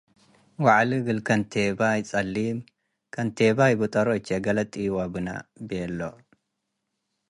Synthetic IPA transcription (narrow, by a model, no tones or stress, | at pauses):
waʕliɡɨlkʰɐnt̪ʰebajt͡sʼɐlːim | kʰɐnt̪ʰeβajbɨt̪ʼɐɾot͡ʃːeɡɐlɐt̪ʼːijwabɨna̰bɛlːo